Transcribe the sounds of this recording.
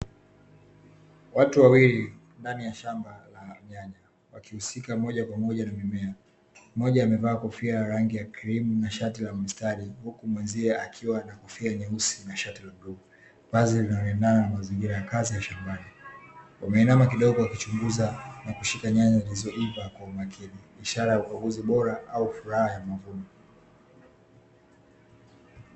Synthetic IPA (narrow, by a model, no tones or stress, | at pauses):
watuwawili | ndanijaʃambalaɲaɲa | wakihusikamɔʄakwamɔʄanamimɛa | mɔʄaːmɛvaːkɔfiajaɾaŋɡijakiɾimunaʃat̬ilamistaɾihukumwɛnziɛakʰiwanakɔfiaɛɲɛusinaʃatilamɗu | pazilinaɔnɛndananamaziŋɡiɾajakazijaʃambaniwamɛinamakiɗɔɠɔakit͡ʃuŋɡuzanakuʃikaɲaɲailizɔʔivakwaumakʰiniːʃaɾajauɓaɡuziɓɔɾaaufuɾahajamavunɔ